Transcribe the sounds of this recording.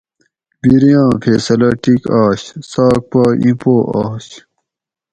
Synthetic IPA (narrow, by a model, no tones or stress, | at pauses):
biɾijãːpʰeːsɐlɐʈikaːɕsaːk̚paːḭ̃poːʔaːɕ